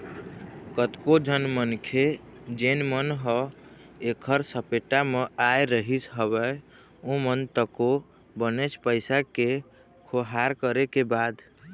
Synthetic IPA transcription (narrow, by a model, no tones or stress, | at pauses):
kət̪kod͡ʒənmənkʰed͡ʒenmənɦɔ | ekʰəɾsəpeʈameajɾəɦisɦəbə | õmənt̪əko | bənet͡ʃʰpəɪsake | kʰoɦaɾkəɾekebad̪